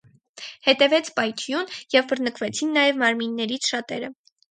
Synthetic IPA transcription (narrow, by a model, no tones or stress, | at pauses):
hɛt̪ɛvɛt͡sʰpɑjt̪ʰjunjɛvbəɾnəkvɛt͡sʰinːɑjɛvmɑɾminːɛɾit͡sʰʃɑt̪ɛɾə